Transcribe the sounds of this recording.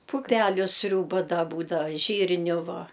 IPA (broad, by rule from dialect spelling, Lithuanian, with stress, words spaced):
pʊˈpʲæːlʲʊ ˈsʲrʲuːbɐ dɐ ˈbuːdɐʋɐ ˈʒʲiːrʲnʲʊ ˈʋɐ